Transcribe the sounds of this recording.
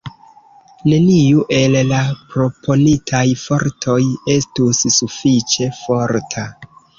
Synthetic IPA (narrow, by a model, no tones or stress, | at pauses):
ne̞niuʔe̞llapɾo̞pʰo̞nitʰajfo̞ɾtʰo̞je̞stussufit͡ʃe̞fo̞ɾtʰa